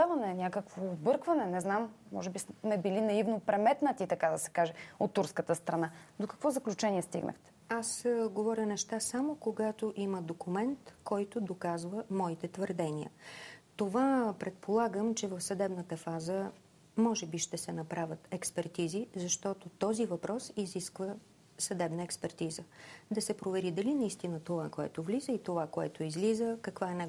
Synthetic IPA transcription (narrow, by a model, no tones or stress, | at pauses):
avɐnɛnʲakəkvoːbɤɾkvɐnɛnɛznamːɔ̰ʒɛbismɛbilinɐivnopɾɛmɛt̪nət̪it̪ɐkad̪əsɛ̥kaʒɛot̪ːuɾskət̪əst̪ɾɐnad̪okɐ̥kvɔzɐklʲut͡ʃɛniɛst̪ḭɡnʔə̰xt̪ɛ̥ | asɡovɔɾʲənɛʃt̪asamokoɡat̪oʔiməd̪okumɛnt̪kɔjt̪od̪okazvəmɔit̪ɛt̪vəɾd̪ɛniə̰t̪ovapɾɛt̪̚pʰolˠaɡəmt͡ʃɛvəfsɐd̪ɛbnət̪əfazə | mɔʒɛbiʃt̪ɛsɛnɐpɾavʲət̪ɛkspɛɾt̪izizɐʃt̪ɔt̪ot̪ɔzivɐpɾɔsiziskvə | sɐd̪ɛbnəɛkspɛɾt̪izəd̪ɐsɛpɾovɛɾid̪ɐlinɐist̪inət̪ovakoɛ̰t̪ovlizəit̪ovakoɛ̰t̪oizlizəkɐkvaɛnɛ